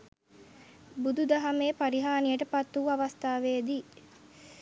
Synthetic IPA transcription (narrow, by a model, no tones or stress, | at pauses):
bud̪ud̪ɐɦɐmeːpɐɾiɦaːnijəʈəpɐt̪ːuɐʋɐst̪aːʋeːd̪iː